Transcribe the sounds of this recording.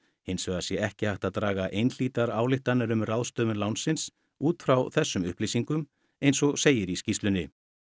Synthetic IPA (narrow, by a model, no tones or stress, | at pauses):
hɪnsvɛɣasjɛɛhcɪhajht̪aðt̪ɾaːɣaʔejnl̥iːt̪aɾaːwlɪht̪anːɛɾʏmraðst̪œːmʏnlawnsɪns | uːt̪fɾawθɛsːʏmʏ̰hplijsiŋkʏm | ejnsɔɣseːjɪɾiscist̪lʏnːɪ